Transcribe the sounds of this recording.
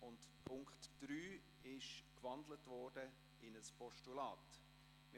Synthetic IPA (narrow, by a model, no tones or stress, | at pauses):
ʊntpʰʊŋkχtd̥ɾyː | ɪʃkvɑndlətvɔːrd̥ə | ɪnəspʰɔʃtulɑːt | mɪ